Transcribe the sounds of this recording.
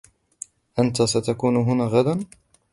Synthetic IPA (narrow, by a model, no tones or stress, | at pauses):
ʔant̪asat̪akuːnɦʊnaːɣad̪an